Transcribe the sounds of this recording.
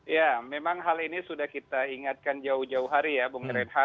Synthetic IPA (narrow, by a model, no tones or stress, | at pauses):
jamemaŋɦalinisudahkit̪aiŋat̪̚kand͡ʒaʊhd͡ʒaʊɦaɾijabəŋəɾɛnɦa